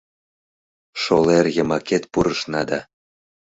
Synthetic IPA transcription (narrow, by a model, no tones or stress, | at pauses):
ʃolerjəmɑket̪puɾəʃnɑd̪ɑ